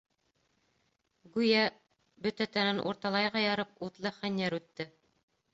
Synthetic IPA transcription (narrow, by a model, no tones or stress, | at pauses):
ɡʉjæ | bɵt̪æt̪ænænʔṵɾt̪ɑlˠɑjʁɑjɑɾɤp̚ut̪lˠɤχænjæɾʉt̪ːɘ